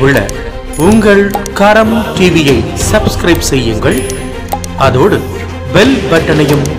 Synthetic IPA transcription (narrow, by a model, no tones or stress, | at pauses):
ʋɪɭːɐ̰ | ʊŋɡɐɭkɐɾɐmʈiːʋɪjɐɪsɐbskɾɐɪbsɛjːɯŋɡɐɭ | ɐðoːɽɯ | ʋɛlbɐʈːɐnɐjɯm